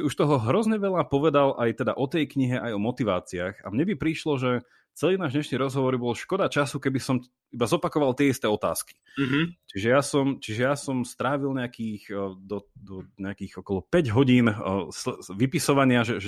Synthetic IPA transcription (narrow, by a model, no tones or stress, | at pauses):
uʃt̪ɔɦɔɦɾɔzɲɛʋɛʎapɔʋɛd̪alʔajt̪ɛd̪a̰ʔɔt̪ɛjkɲiɦɛʔajɔmɔt̪iʋaːt͡siaːxa̰mɲɛbipɾiʃlɔʒɛ | t͡sɛliːnaːʒd̪ɲɛʃɲiɾɔzɦɔʋɔɾibɔlɔʃkɔd̪at͡ʃasukɛbisɔm | ibazɔpakɔʋalt̪ɪɛist̪ɛːɔt̪a̰ːski̥t͡ʃiʒɛjasɔmt͡ʃiʒɛjasɔmst̪ɾaːʋilɲɛakiːxd̪ɔd̪ɔɲɛakiːɣɔkɔlˠɔpɛɟɦɔɟiːnsʋipisɔʋaɲɪaʒɛʒɛ